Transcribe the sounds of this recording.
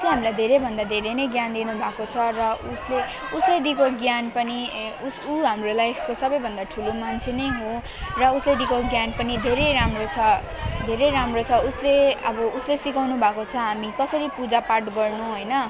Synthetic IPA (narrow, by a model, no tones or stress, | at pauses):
ʌsoɦamilajd̪ʱeɾejbʱʌnd̪ad̪ʱeɾenʌjɡjand̪inubʱakot͡sʰʌrʌusle | usled̪ikoɡjanpʌniusuɦamrolajpʰkosʌbʌjbʱʌnd̪aʈʰulomant͡sʰenʌjɦo | rʌusled̪ikoɡjanpʌnid̪ʱeɾejɾamrot͡sʰʌ | d̪ʱeɾejɾamrot͡sʰʌusleʌbʌuslesikawnubʱakot͡sʰʌɦamikʌsʌɾipud͡zaparʈɡʌrnuɦojnʌ